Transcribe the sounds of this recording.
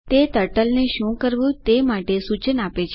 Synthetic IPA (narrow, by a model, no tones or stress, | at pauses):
t̪et̪əʈəlneʃũkəɾʋũt̪emaʈesut͡ʃənapet͡ʃʰ